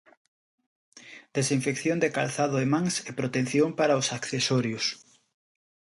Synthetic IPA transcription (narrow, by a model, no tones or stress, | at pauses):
d̪esiɱfekθjond̪ekalθaðʊemãŋsepɾot̪en̟θjompaɾaʊsakθesɔɾjʊs